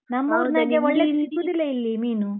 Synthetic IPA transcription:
nɐmːɐʋɾnɐɡeʋɔɭːeikːud̪ilːɐilːimiːnu

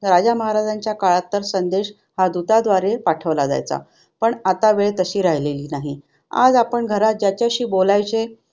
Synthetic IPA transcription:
ɾad͡ʑaməɦaɾad͡zaɲt͡ɕjakaɭat̪ːəɾsənd̪eɕ | had̪ut̪ad̪ʋaɾepaʈʰəʋlad͡za̰jt͡sa̰ | pəɳat̪aʋeɭet̪əɕiːɾaɦleliːnaɦi | a̰d͡zapəɳɡʱəɾat̪̚d͡ʑjat͡ɕjaɕiːbolajt͡se

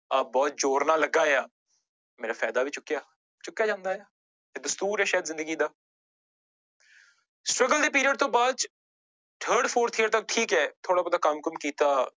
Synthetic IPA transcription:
abɔːt̪̚d͡ʒoːɾnaːləɡːaːejaː | meːɾaːfʰɛ̰ːd̪aːʋiːt͡ʃʊkːjaː | t͡ʃʊkːjaːd͡ʒãːnd̪aːjaː | eːd̪əst̪uːɾɛːʃɛːd̪zɪ̃nd̪əɡiːd̪aː | sʈɾəɡəld̪eːp̬iːɾiəɖt̪õːbaːd̪ | ʈ̪ʰəːɾɖpʰoːɾt̪ʰijəɾt̪ək̚ʈʰiːkɛːt̪ʰoːɽaːbəd̪aːkəmkəmkiːt̪aː

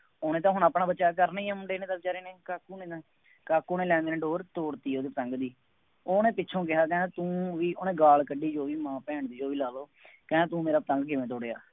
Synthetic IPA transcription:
oːnẽːt̪ãːɦʊɳaːpɽaːbəːʃaːkəɾnaiːɛ̃ːmʊɳɖeːnẽːt̪əlt͡ʃaːɾeːneːkaːkuːnẽːt̪ãː | kaːkuːnẽːlɛ̃ːnd̪ːnẽːɖoːɾt̪oːɽt̪iːoːd̪eːpət̪ə̃ŋɡd̪iː | oːnẽːpɪtːt͡ʃʰõːk̬ɪɦaːkɛ̃ːt̪ũːʋiːoːnẽːɡaːlkəɖiːd͡ʒoːʋiːmãːpɛ̃ːɳd̪iːd͡ʒoːʋiːlaːloː | kɛ̃ːaːt̪ũːmeːɾaːpət̪ə̃ŋɡkɪʋẽːt̪oːɽeːa̰ː

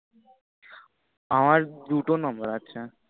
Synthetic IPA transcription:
amaɾd̪uʈonɔmbəɾatːɕʰa

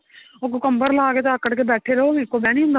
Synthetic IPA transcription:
okokəmbəɾlaːket̪oəkəɽkebɛːʈʰeɾɐɦoːmeːkomɛ̃ːnĩɦʊ̃nd̪

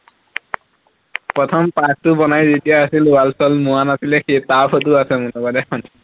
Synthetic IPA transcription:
pɹɔtʰɔmpak̚tʊbɔnajzetijaːsilalsɔlmuwanasilɛxetapʰɔt̬ʊasɛmunɔbadɛxɔn

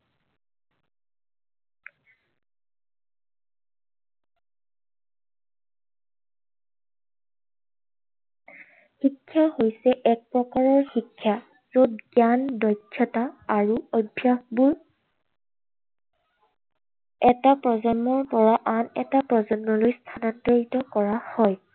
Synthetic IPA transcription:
xikʰːjahojsɛʔɛk̚pɹɔkaɹɔɹxikʰːja | z̥od̚ɡjandɔjkʰːɔtaaɹuobʱjaxbuɹ | ɛtapɹɔzɔnːɔɹpɔɹaʔanɛtapɹɔzɔnːɔlojstʰanɔntɔɹitɔkɔɹahɔj

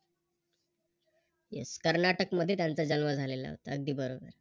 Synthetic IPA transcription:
jḛskəɾnaʈəkməd̪ʱːjet̪jant͡sad͡ʑənʋəd͡zʱalela̰ɦo̰t̪a̰əɡ̚d̪iːbəɾobə̰ɾ

